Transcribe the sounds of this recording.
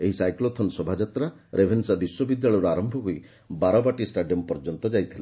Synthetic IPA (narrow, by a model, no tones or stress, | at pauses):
eɦisajklot̪ʰɔnsɔbʱad͡ʒat̪ɾa | ɾʔebʱensabiswɔbid̪jaɭɔjɾɔaɾɔmbʱɔɦui | baɾɔbaʈisʈaɖijɔmpɔɾd͡ʒɔnt̪ɔd͡ʒajt̪ʰila